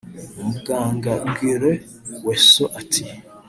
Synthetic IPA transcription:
muɡaːŋɡaɡiɾe | wesoʔatʰi

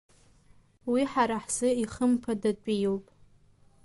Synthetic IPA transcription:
wiħaɾaħsɨiχəmpʰadat͡ʃʷʼijowpʼ

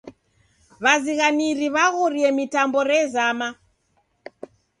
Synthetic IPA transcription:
βaziɣaniɾiβaɣuɾiɛmitambɔɾɛzama

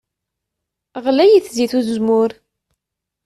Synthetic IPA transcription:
ʁlæjiθziθuðzmʊɾ

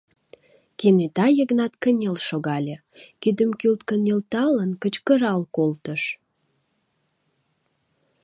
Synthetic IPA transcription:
kenet̪ɑjəɣnɑt̪kənʲelʃoɣɑlʲe | kyd̪əmkylt̪̚kənelt̪ɑlənkət͡ɕkəɾɑlkolt̪əʃ

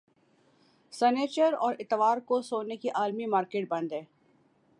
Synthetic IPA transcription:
sɛneːt͡ʃəɾɔːɾɪt̪ʋaːɾkosoːnekiʔaːlmimaːɾkeːʈ̚bɐ̃nd̪ɦɛ̃ː

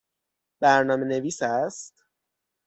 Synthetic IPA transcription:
b̥æɾnɒːme̞ne̞viːsæst̪

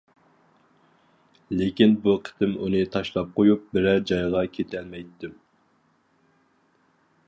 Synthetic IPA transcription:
lɪkʲinbuqʰə̥t̪ʰɪmṵnɨt̪ʰɑʃlˠɑp̚qʰojup̚bɪɾɛd͡ʒɑjʁɑkʲʰet̪ʰɛlmɛjt̪ːɪm

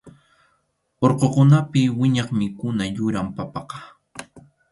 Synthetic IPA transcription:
oɾqokʊnapɪwɪɲɑχmɪkʊnajʊɾampɑpɑqɑ̥

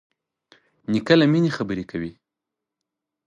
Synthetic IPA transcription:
nikalaminexabəɾekʰawi

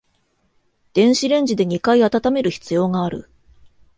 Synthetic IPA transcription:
d̪̥ẽ̞ɰ̃ɕiɾẽ̞ɲ̟d͡ʑid̪e̞ɲ̟ikaiat̪at̪ame̞ɾɯ̟çi̥t͡sɨjo̞ːŋaːɾɯ̟

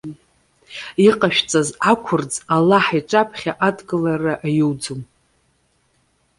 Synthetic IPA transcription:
iqʼaʃᶣt͡sʼazakʷʰʊrd͡zalaħiʈ͡ʂʼapʰχʲaʔadɡɨlaraʔajuwd͡zum

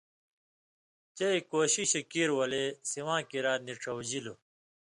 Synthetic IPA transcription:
t͡ɕeikoːɕiɕikiːɾwɐlesiwãːkiɾaːt̪niʈ͡ʂʰɐwd͡ʑilo

